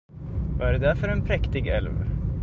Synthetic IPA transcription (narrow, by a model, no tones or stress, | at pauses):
vɑæɾd̪æɾfœɾɛnpʰɾɛkt̪ɪɡɛ̰lv